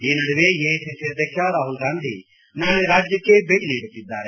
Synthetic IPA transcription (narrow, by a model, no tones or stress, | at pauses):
ɪnəɽʋejeːseseɾd̪ekʰjaːɾaːɦulɡãːnd̪ʱḭ | naːleɾaːd͡ʒjəkebeliːɽkɪd̪aːɾe